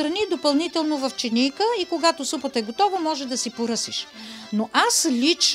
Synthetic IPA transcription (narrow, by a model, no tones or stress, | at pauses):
ɾɐnid̪opɐlˠnit̪ɛlˠnovɐft͡ʃɛnijkəikoɡat̪osupət̪əɛɡot̪ɔvəmɔʒɛd̪ɐsipoɾɤsiʃ | noʔaslʲit͡ʃ